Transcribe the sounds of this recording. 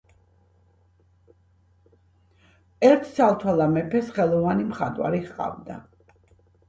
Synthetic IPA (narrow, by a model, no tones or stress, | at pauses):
ɛɾt̪ʰsʰalˠt̪ʰwɛlˠamɛpʰɛsχɛlˠɔvanimχat̪ʼwa̰ɾiχqʼa̰vd̪a̰